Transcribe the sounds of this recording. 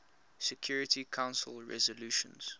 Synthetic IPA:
sɛkʰj̥uːɹɪtikʰãʊ̃nsə̰lˠɹɛ̰zəluːʃə̰̃nz̥

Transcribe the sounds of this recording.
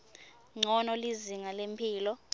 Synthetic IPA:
ŋ͡ǀʱɔnɔliziŋalempʰiːlɔ

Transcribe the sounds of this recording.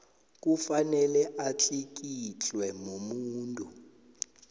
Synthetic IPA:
k̬ʼufanɛlɛʔat͡ɬʰʼik̬ʼit͡ɬʼwɛmomuːntʼu

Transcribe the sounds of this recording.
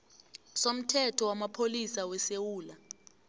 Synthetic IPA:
som̩tʰɛtʰɔwamapʰolisawɛsewuːla

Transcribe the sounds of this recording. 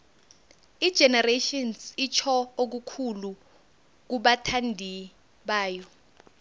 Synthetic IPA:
id̥ʒ̥ʱɛnɛreʃɔnsit͡ʃʰɔok̬ukʰulu | k̬uɓatʰandʱi | ɓaːjɔ

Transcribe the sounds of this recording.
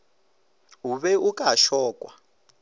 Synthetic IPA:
uβɛukʼaʃɔːkʼwa

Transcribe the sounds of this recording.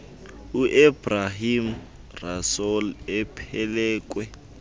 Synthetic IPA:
uʔɛb̥raɦim̩ | rasolɛpʰɛlɛːk̬ʼwɛ

